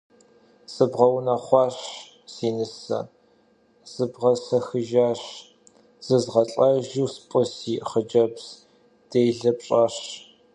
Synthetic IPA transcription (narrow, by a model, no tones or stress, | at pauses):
sɨbʁɐwnɐχʷɑːɕ | siːnɨsɐ̰ | z̥ɨbʁɐsɐxɨʒaːɕ | z̥ɨzʁɐɬʼɐʒuːspʼʊsiːχəd͡ʒɐbs | d̥eːjɮɐpɕʼɐɕ